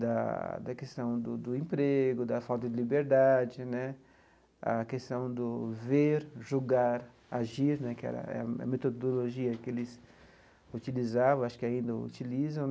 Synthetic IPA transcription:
d̪ɐ̰d̪ɐkest̪ɐ̃w̃d̪ʊd̪ʊẽmpɾeɡʊd̪ɐfawt̪ɐd͡ʒ̪ɪlibeɾd̪ad͡ʒɪnɛ | ɐ̰kest̪ɐ̃w̃d̪ʊveɾʒuɡaɾ | aʒiɾnɛkɪɛ̰ɾɐ̰ɛ̰ɐɐ̰met̪od̪oloʒiɐkɪelɪs | ut͡ʃilizavɐ̃aʃʊ̥kɪaĩnd̪ɐṵt͡ʃilizɐ̃w̃

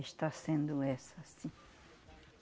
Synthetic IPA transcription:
ɪʃt̪asẽnd̪ʊɛsɐasĩ

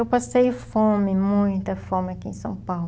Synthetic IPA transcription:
ewpasejfõmɪmũj̃t̪ɐfõmɪɐkiḛ̃sɐ̰̃w̃pawl

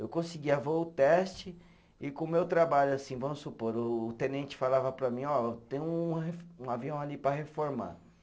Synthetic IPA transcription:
ewkõsiɡiɐveʊt̪ɛst͡ʃɪ | ɪkõmewt̪ɾabaʎʊasĩvɐ̃mʊsupoɾʊːt̪ẽnẽnt͡ʃɪ̥falavɐpɾɐmĩɔt̪ẽj̃ʊuɦfũaviɐ̃w̃alipɾɐhefoɾma̰

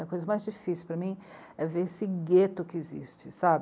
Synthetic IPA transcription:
ɐkojzɐmajzd͡ʒifisiwpɾɐmĩ | ɛveɾesɪɡet̪ʊkɪezḭst͡ʃɪsabɪ

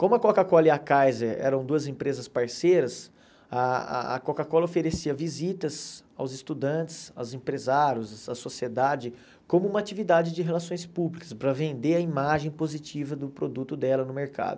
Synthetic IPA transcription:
kõmʊɐkokakɔliakajzeɾɛ̰ɾɐ̃w̃d̪uɐzẽpɾezɐspaɾsejɾɐs | ɐɐ̰ɐ̰kokakɔlɐofeɾesiɐvizit̪ɐzawzɪst̪ud̪ɐ̃t͡ʃɪ̥sa̰wzẽpɾezaɾjʊzɐsosied̪ad͡ʒɪ | kõmʊũmɐat͡ʃivid̪ad͡ʒɪd͡ʒɪɦelasõj̃spublikɐ̥spɾɐvẽnd̪eɐimaʒẽj̃pozit͡ʃivɐd̪ʊpɾod̪ut̪ʊd̪ɛlɐnʊmeɾka̰d̪ʊ

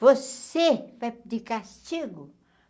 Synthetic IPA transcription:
vosevajd̪ikast͡ʃiɡu

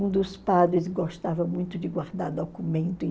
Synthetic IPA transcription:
ũd̪ʊspad̪ɾɪsɡost̪avɐmũj̃t̪ʊd͡ʒɪɡwaɾd̪aɾd̪okumẽnt̪ʊ̃

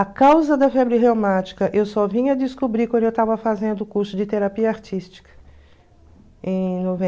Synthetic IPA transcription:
akawzɐd̪ɐfɛbɾɪɦewmat͡ʃi̥kɐʔewsɔvĩɲɐɐd͡ʒ̪ɪskubɾikwɐ̃nd̪ewt̪avɐfazẽnd̪ʊːkuɾsʊd͡ʒɪt̪eɾapiɐaɾt͡ʃist͡ʃi̥kɐ̥ | ẽj̃novẽ

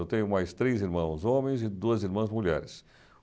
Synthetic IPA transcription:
ewt̪ẽɲʊmajst̪ɾeziɾmɐ̃w̃zõmẽj̃zɪd̪uɐziɾmɐ̃zmuʎɛɾɪs

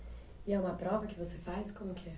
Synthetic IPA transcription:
ɪɛũmɐpɾɔvɐkɪvosefajskõmʊkɪɛ

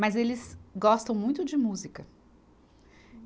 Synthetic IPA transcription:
mɐzelɪzɡɔst̪ɐ̃w̃mũj̃t̪ʊd͡ʒɪmuzikɐ

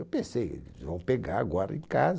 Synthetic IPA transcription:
wpẽsejḛlɪzvɐ̃w̃peɡaɾa̰ɡɔɾɐḛ̃kaz

